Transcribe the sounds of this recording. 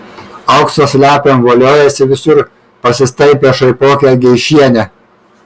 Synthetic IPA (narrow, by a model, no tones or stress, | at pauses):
ɐʊksoːsʲlʲæːpʲemʋoːlʲoːjɛsʲɪʋʲɪsʊɾ | pɐsʲɪst̪ɐɪpʲeːʃɐɪpoːkʲɛɡʲɛɪʃʲiɛnʲɛ